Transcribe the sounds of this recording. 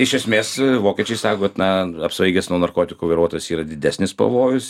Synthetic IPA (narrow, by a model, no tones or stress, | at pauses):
ɪʃʲɛsʲmʲeːsʋoːkʲɛt͡ʃʲɛɪsɑːkoːt̪nɐɐpsʲʋɐɪɡʲɛsnuɔnɐrkoːt̪ʲɪkuːʋɐɪɾuɔt̪oːjsiːɾɐd̪ʲɪd̪ʲæsʲnʲɪspɐ̰ʋoːjʊs